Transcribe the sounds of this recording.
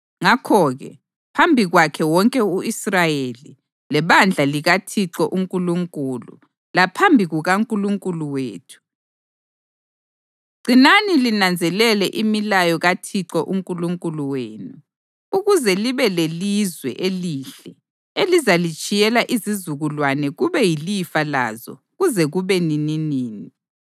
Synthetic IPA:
ŋakʰɔːɣɛ̰ | pʰambʱiɣwakʰɛwɔŋkʼɛuisrajeli | lɛβand͡ɮʱaliɣatʰiǁɔʔuŋkʼuluŋkʼulṵ | lapʰambʱiɣuɣaŋkʼuluŋkʼuluweːtʰu̥ | ɡ͡ǀʱinanilinand͡zʱɛlɛlɛʔimilajɔɣatʰiǁɔʔuŋkʼuluŋkʼuluweːnu | uɣuzɛliβɛlelizwɛ̰ʔeliːɬɛ | elizalit͡ʃʼijɛlaʔizizuɣulwanɛɣuβɛjilifala̰zɔ̰ | ɣuzɛɣuβɛnininiːni

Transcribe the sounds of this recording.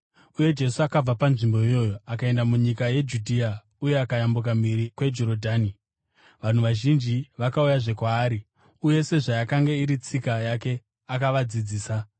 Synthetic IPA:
uje̞d͡ʒe̞suakab͡vapanʐimbo̞ijo̞ːjo̞akae̞ndamuɲikaje̞d͡ʒudʱia | uje̞akajambuk̬amiɾikwe̞d͡ʒo̞ɾo̞dʱaːni | ʋan̤uʋaʒind͡ʒiʋakaujaʐe̞kwaːɾi | uje̞se̞ʐajakaŋɡe̞iɾit͡sikajake̞ | akaʋad͡zid͡ziːsa

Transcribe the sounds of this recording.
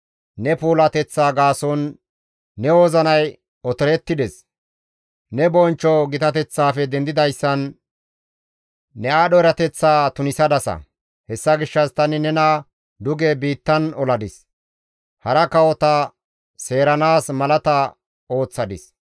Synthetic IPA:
nɛpuːlɐt̪ɛt͡sːaːɡaːsɔnː | ɛwɔzɐnɐj | ɔt̪ɔɾɛt̪ːɪd̪ɛs | nɛbɔnt͡ʃːɔɡɪt̪ɐt̪ɛt͡sːaːfɛd̪ɛnd̪ɪd̪ɐjsːɐn | ɛaːɗɔɛɾɐt̪ɛt͡sːaːt̪ʊnɪsɐd̪ɐsɐ̰ | hɛsːɐɡɪʃːɐst̪ɐnɪnɛna | d̪ʊɡɛbiːt̪ːɐnɔlɐd̪ɪs | hɐɾɐkɐwɔt̪ɐ | se̞ːɾɐnaːsmɐlɐt̪ɐ | o̞ːt͡sːɐd̪ɪs

